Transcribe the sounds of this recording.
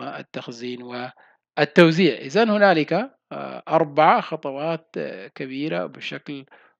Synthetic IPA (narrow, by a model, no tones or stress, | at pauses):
aʔa̰t̪ːaxziːnwɪ | ʔɪt̪ːawziːʕʔɪ̰zanhʊnaːlɪka | ʔɑɾˤbaʕaxɑt̪ˤɑwɑːt̪kabiːɾa̰bɪʃakl